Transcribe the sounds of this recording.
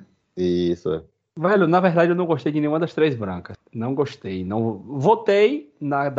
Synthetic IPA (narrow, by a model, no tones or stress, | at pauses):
isʊɛ̰ | vɛlʊnɐveɦd̪ad͡ʒɪewnɐ̃w̃ɡoʃt̪ejd͡ʒɪnẽj̃ũɐd̪ɐst̪ɾejzbɾɐ̃kɐsnɐ̃w̃ɡoʃt̪ejnɐ̃w̃vot̪ejnɐd̪